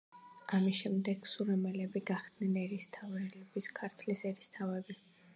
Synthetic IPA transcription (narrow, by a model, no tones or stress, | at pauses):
amisʃɛmd̪ɛɡ̥suɾɛmɛlɛbiɡaχd̪̥nɛnɛɾist̪ʰavɾɛlɛbiskʰaɾt̪ʰlisɛɾist̪ʰavɛbi